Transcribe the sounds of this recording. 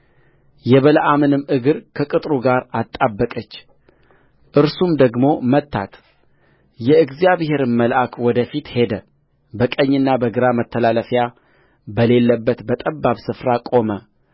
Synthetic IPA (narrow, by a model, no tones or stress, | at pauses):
jɛβələʔamɨnɨmɨɡɨɾkʰəkʼɨt̪ʼɾuɡaɾat̪ʼːabːəkʼət͡ʃː | ʔɨɾsumd̪əɡmo̞mət̪ʰːa̰t̪ | jɛɨɡzjaβhe̞ɾɨnməlʔakwɔd̪əfit̪he̞d̪ə | bəkʼəɲːɨnːabəɡɨɾamət̪ʰːəlaləfja | bəle̞lːəbːət̪bət̪ʼəbːaβsɨfɾakʼo̞mə